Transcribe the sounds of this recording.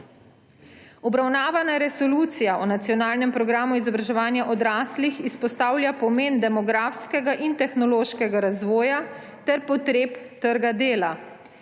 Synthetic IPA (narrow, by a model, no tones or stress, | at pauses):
ɔbɾawnaːʋanaɾɛsɔluːt̪sijaʔɔnat̪sijɔnaːlnɛmpɾɔɡɾaːmuizɔbɾaʒɛʋaːnjaʔɔd̪ɾaːslixispɔst̪aːwlʲjapɔmeːnd̪ɛmɔɡɾaːfskɛɡaʔint̪ɛxnɔloːʃkɛɡaɾazʋɔːja | t̪ɛɾpɔt̪ɾeːpt̪əɾɡad̪eːla